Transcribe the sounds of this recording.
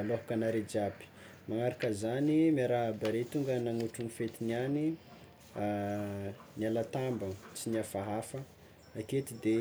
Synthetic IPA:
loɦukanaɾed͡ʒapi̥ | maŋaɾakəzanimaɾaɦbaɾet̪uŋɡənaŋuʈ͡ʂunifet̪iniani | nialat̪ambət͡sinafaɦafə | aket̪id̪e

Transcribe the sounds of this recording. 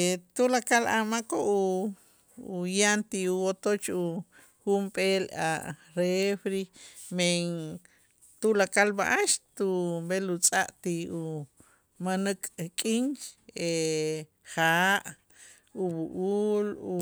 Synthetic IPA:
t̪ulakalʔa̰makoʔuː | jant̪iuwot̪ot͡ʃu | xumpʼela̰ɾefɾimen | t̪ulakalba̰ʔaʃt̪ubelut͡sʼaʔt̪iu | manəkʼkʼint͡ʃe | χaʔ | uβuʔulu

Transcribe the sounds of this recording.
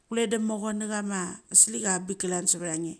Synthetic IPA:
kuledamoɣoniɣamasilikabikalansaβaɾaŋi

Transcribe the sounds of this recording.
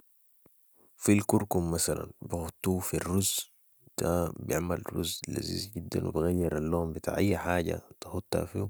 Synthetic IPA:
filkuɾkumːasala̰nbixʊt̪ːuːfirːuz | d̪̥abijɪ̰ʕmalɾṵzla̰zḭːzɟid̪ːanwḭbiɣajːiɾʔalːoːmbit̪a̰ːʕʔajːaħaːɟa̰t̪axut̪ːa̰fi

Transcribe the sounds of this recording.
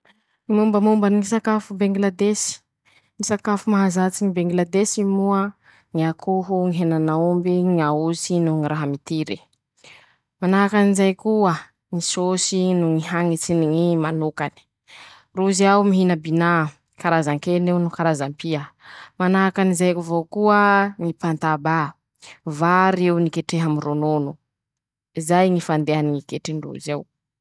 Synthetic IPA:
imumbəmumbəniŋisakafubeŋɡlad̪esi̥ | ŋisakafumaɦazat͡siŋibeŋɡlad̪esimuə | ŋiakʰuɦuŋiɦenanaumbiŋauzinuŋiɾaɦamit̪iɾi | manakanizajkuə | ŋisosinuŋiɦaŋit͡siniŋimanokani̥ | ruzawmiɦinəbina | kaɾazaŋkenewnukaɾazampiəmanaakanizajkuvokuəŋipant̪aba | vaɾewnikeʈ͡ʂeɦamirononu | izajŋifand̪eaniŋikeʈ͡ʂinirṵzaw

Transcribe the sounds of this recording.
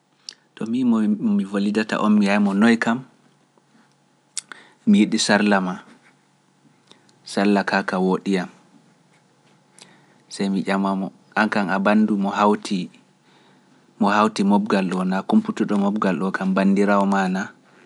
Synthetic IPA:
tɔmimɔmivolidata̰ʔɔmmijajmɔnɔjkam | ijiɗisaɾlama | salːakakawoɗijam | sajmiʔamamɔ | ʔaŋkaŋabandumɔhawtʰi | mɔhawtimɔb̚ɡalɗɔnakumputuɗɔmɔbɡalɗɔkambandiɾawɔmana

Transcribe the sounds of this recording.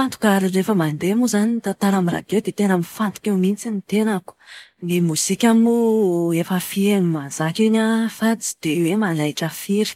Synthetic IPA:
fant̪u̥kaɾirefəmand̪emuzanit̪at̪aɾamiɾa̰ɡewd̪et̪enamifant̪u̥kʲewmint͡sinit̪enəku̥memusikʲamuefəfienimazakinafat͡si̥d̪̥ewemalajʈ͡ʂəfiɾi̥

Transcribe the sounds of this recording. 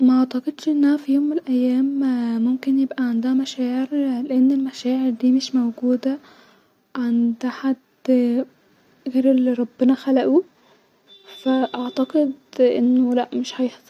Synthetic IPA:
mæʔɑʕt̪ɑqed̪ʃʔenːæhæfijoːmːelʔæjːæːmmomkenjebʔæʕand̪æhæmæʃæːʕeɾleʔenːelmæʃæːʕeɾd̪iːmeʃmowɡuːd̪æ | ʕand̪ħad̪ | ɣeːɾelːiɾˤɑbːenɑxælæʔu | fæʔɑʕt̪æɡed̪ʔḛnːolæʔmeʃhæjhsˤ

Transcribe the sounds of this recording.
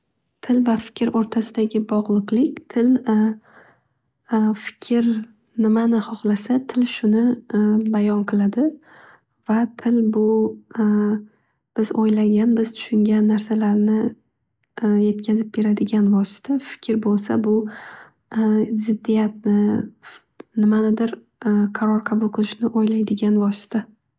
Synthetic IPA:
t̪ʰɪlvafɪ̥kʲʰɪɾoɾt̪ʰasɪd̪aɡʲɪbɒʁlˠɨqlˠɪkʲt̪ʰɪl | fɪ̥kʲʰɪɾ | nɪmanɪhɒχlˠasat̪ʰɪlʃʊnɪbajɒnqʰɨlˠad̪ɪ | vat̪ʰɪlbʊ | b̥ɪzojlaɡʲanbɪz̥t̪ʰʊ̥ʃʊŋɡʲanːaɾsalaɾnɪ | je̞t̪̚kʲʰazɪp̚be̞ɾad̪ɪɡʲanvɒsɪ̥t̪ʰafɪ̥kʲɪɾbolˠsa̰bʊ | zɪd̪ːijat̪̚nɪ | nɪmanɪd̪ɪɾ | qʰɑɾɒɾqʰɑbʊlˠqʰɨlˠɪʃnɪʔojlajd̪ɪɡʲanvɒsɪ̥t̪ʰa

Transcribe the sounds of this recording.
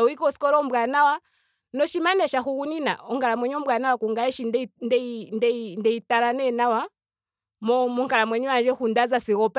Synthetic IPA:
ɔikɔsi̥kɔɾɔmbwanawa | nɔʃimanɛʃaxuɣunina̰ɔŋkalamwɛɲɔmbwanawakuŋɡaɛʃinndndɛndɛitalanɛnawa | mɔmɔŋkalamwɛɲɔwand͡ʒɛxundazasiɣɔp

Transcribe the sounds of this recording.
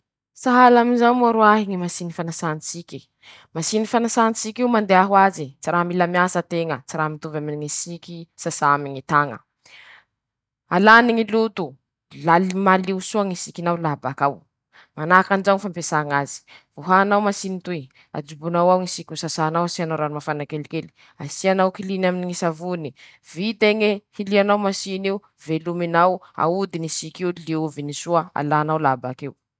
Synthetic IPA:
saɦalaminzawmuaɾuaɦiŋimasinifanasanit͡sikʲi̥ | masinifanasanit͡sikiwmand̪eaɦuazit͡siɾamilamiasət̪eŋət͡siɾamit̪uvaminiŋisikʲisasaamiɲit̪aŋə̰ | alaniŋilut̪u | lalmaliusuaŋisikʲinawlabakaw | manakand͡ʒawŋifampesaŋazi̥vuɦaːnawmasinit̪ue | a̰d͡ʒubunawawŋisikʲusasanawasianawɾanimafanakelikeli̥ | asianawkilinaminiŋisavuni | vit̪eŋehilianawmasiniu | veluminawa̰ud̪inisikiuliuvinisuəa̰lanawlabakew

